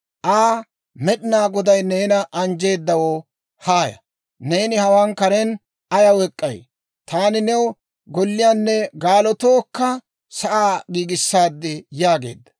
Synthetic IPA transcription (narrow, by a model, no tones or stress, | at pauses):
ʔaː | mɛɗɪnaːɡɔd̪ɐjne̞ːnɐʔɐnd͡ʒe̞ːd̪ːɐwo | haːjɐ̰ | ne̞ːnɪhɐwaːnkɐɾɛn | ɐjɐwɛkʼːɐ̰j | t̪aːnɪnɛw | ɡɔlːɪjaːnːɛɡaːlɔt̪o̞ːkːɐ | sɐʔaːɡiːɡɪsːaːd̪ːɪjaːɡe̞̰ːd̪ːɐ̥